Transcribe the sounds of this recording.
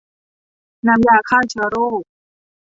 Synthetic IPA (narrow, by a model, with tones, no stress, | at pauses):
na˧mjaː˧˩kʰaː˥˩wt͡ɕʰɯ˧˦ɾoː˥˩